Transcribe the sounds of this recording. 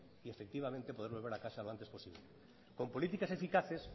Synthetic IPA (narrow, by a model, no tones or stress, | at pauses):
iefek̚t̪iβamẽnt̪epoðeɾβolβ̞eɾakaʃaloant̪̬espo̞siβle | kompolit̪ikasefikaθes